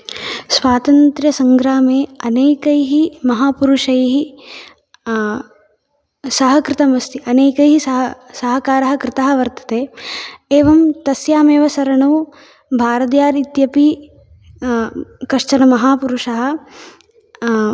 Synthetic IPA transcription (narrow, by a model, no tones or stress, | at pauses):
sʋaːt̪ɐnt̪ɾjɐsɐŋɡɾaːmeːɐneːkɐjɦimɐɦaːpuɾuʂɐjɦi | sɐɦɐkɾɪt̪ɐmɐst̪iɐneːkɐjɦisɐɦsɐɦɐkaːɾɐɦɐ̆kɾɪt̪aɦɐ̆ʋɐɾt̪ɐ̥t̪eːeːʋɐmt̪ɐsjaːmeːʋɐsɐɾɐɳɐː | bʱaːɾɐd̪jaːɾit̪jɐpi | kɐʂt͡ʃɐnɐmɐɦaːpuɾuʂɐɦɐ̆